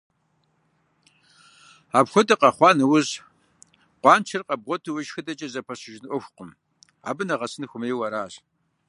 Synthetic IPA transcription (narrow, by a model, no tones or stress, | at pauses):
aːbxʷɔdɐqɐχʷɑːnɐwʊz | qʷɑːnt͡ʃʰɐrqʼɐb̚ʁʷɔtʰɨwʊʒxɨdɐt͡ʃʼɐzɐpʰɐɕɪʒnɨʔʷɔxʷqʊm | a̰ːbɨnɐʁɐsɨnxʷʊmeːwɐɾaːʑ